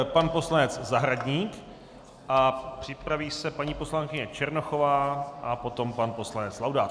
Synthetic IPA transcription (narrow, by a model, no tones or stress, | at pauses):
panpo̞slanɛt͡szaɦɾaɟɲiːk | ʔapr̝̥ɪpɾaviːsɛpaɲiːpo̞slaŋkɪɲɛt͡ʃɛɾnoxovaːʔapo̞t̪o̞mpanpo̞slanɛt͡slawdaːt̪